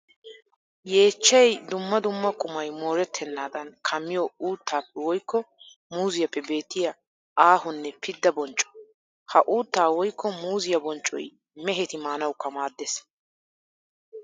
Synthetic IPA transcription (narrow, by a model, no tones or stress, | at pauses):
je̞ːt͡ʃːɛjd̪ʊmːɐd̪ʊmːɐkʼʊmɐjmo̞ːɾɛt̪ʰːɛnːaːd̪ɐnkʰɐmːɪjɔuːt̪ʰːaːpːɛwɔjkːɔ | muːzɪjɐpːɛbe̞ːt̪ːɪjɐ | aːhʊnːɛpʰɪd̪ːɐbɔnt͡ʃʼːɔ̥ | hɐʔuːt̪ːaːwɔjkːɔmuːzɪjɐbɔnt͡ʃʼɔ̰j | mɛɦɛt̪ɪmaːnɐwkːɐmaːd̪ːɛs